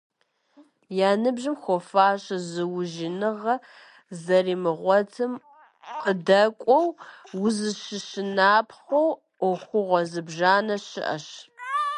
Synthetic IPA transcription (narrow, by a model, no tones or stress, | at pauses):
jaːnɨbʑɪmxʷɔfaːɕʼɐzɨwʊʒinɨʁɐ | zɐriːmɨʁʷɔtʰɨm | qədɐkʷʼɔwwʊzɨʃɪʃɪnaːpʰχʷow | ʔʷɔxʷʊʁʷɔzɨbʒaːnɐɕɪ̰ʔɐ̰ɕ